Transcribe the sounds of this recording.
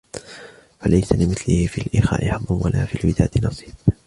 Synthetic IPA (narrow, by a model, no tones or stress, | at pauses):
falajsalɪmɪθlɪhfiːlʔɪxa̰ːʔɪħɑd̪ˤːʊnwalaːfiːlwɪd̪a̰ːt̪ɪnɑsˤiːb